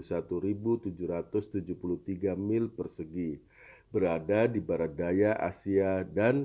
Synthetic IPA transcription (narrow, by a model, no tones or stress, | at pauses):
sat̪uɾibut̪ud͡ʒuɾat̪ʊst̪ud͡ʒupulut̪iɡamɪlpərsəɡi | bəɾadadibaɾat̪̚dajaʔa̰siadan